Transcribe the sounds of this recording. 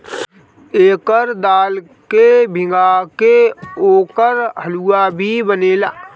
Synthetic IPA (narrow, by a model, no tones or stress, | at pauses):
eːkəɾd̪aːl | kebʱɪ̃ŋɡakeoːkəɾɦəluabʱibəneːla̰ː